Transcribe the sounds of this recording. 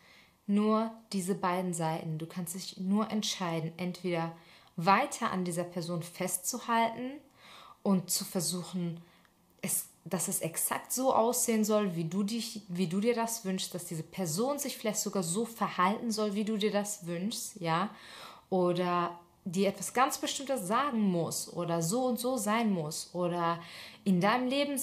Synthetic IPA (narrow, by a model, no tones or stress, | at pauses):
nuːɐd̥iːzəbaɪdn̩zaɪtn̩duːkʰanstd̥ɪçnuːɐʔɛntʃaɪdn̩ʔɛntv̥eːɾɐvaɪtʰɐʔa̰ndiːzɐpʰɛɐzoːnfɛstt͡suhaltn̩ | ʔʊntt͡sufɛɐzuːxn̩ | ʔɛs | d̥asɛsʔɛksa̰k̚tz̥oːʔaʊsz̥eːənzɔlviːduːdɪçviːduːdiːɐdasv̥ʏnʃstd̥asd̥iːzəpʰɛɐzoːnzɪçfɪlaɪçtz̥oɡaːɐzoːfɛɐhaltn̩zɔlviːduːdiːɐdasvʏnʃstjaː | ʔoːdɐ | diːɐʔɛtv̥asɡ̥ant͡sb̥əʃtɪmtəsz̥aːɡŋ̩mʊsʔo̰ːɾɐzoːʊntz̥oːzaɪnmʊsʔoːɾɐʔɪndaɪnəmleːbm̩